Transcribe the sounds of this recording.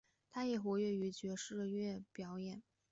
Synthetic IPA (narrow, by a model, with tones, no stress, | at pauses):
t̪ʰa˥jɛ˨˩xwɔ˧˥ɥɛ˥˩y˧˥t͡ɕɥɛ˧˥ʂɻ̩˥˧ɥɛ˥˩pjɑ˧˥ʊjɛ˨˩˦n